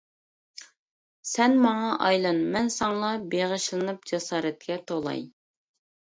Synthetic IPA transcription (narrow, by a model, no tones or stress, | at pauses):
sɛnmɑŋɑʔɑjlˠɑnmɛnsɑŋlˠɑbeʁəʃlˠɨnɨp̚d͡ʒɑsɑːɾɛt̪̚kʲɛt̪ʰolˠɑ̰j